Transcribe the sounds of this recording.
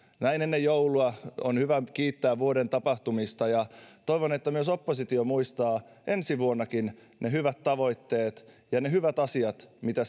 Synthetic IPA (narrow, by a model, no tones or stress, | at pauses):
næinenːejjouluɑonhyʋækiːt̪ːæːʋʋuodent̪ɑpɑht̪umist̪ɑjɑt̪oiʋonet̪ːæmyøsopːosit̪iomuist̪ɑː | ʔensiʋuonːɑkin | nehyʋæt̪t̪ɑʋo̞it̪ːeːt̪ | jɑneɦhyʋæt̪ɑsiɑt̪mit̪æ